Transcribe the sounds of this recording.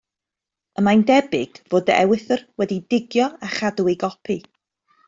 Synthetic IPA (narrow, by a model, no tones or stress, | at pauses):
əmajndɛbɪɡ̥voːdɛ̰wɪθrwɛdidɪɡjɔaχaduweɡɔpʰi